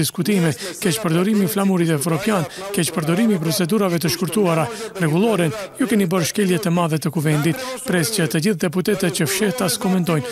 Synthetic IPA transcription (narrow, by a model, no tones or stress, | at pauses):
iskut̪imɛkɛt͡ʃpəɾd̪ɔɾimiflamuɾit̪ɛvɾɔpjankɛt͡ʃpəɾd̪ɔɾimipɾɔt͡sɛd̪uɾavɛt̪əʃkuɾt̪uaɾarɛɡulˠɔɾənjukɛnibəɾʃkɛljɛt̪əmaðɛt̪əkuvɛnd̪it̪pɾɛscət̪əd͡ʑiθd̪ɛput̪ɛt̪ɛt̪̚cəfʃɛht̪askɔmɛnt̪ɔjn